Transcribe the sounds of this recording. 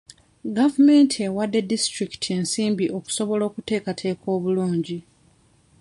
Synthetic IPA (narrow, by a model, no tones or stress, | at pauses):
ɡavume̞ntʰiewadːe̞distɾiktʰe̞nsiːmbiʔo̞ku̥so̞βo̞lo̞ːkute̞ːkatʰe̞ːkʰo̞ːβuluːɲɟi